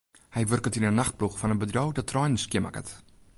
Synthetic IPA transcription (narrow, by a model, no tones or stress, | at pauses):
hɛjʋørkətinənːaχt̚pluxfɔnənbədrowdɔtʰːrɔjnəskjɪma̰kə̰t